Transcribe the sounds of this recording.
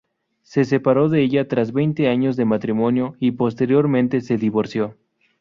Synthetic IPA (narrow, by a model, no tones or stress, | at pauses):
se̞s̬e̞paɾo̞ðe̞eʝat̪ɾazβe̞jnt̪e̞aɲo̞zðe̞mat̪ɾimõ̞njo̞ipo̞st̪e̞ɾjo̞ɾmẽnt̪e̞se̞ðiβo̞ɾsjo̞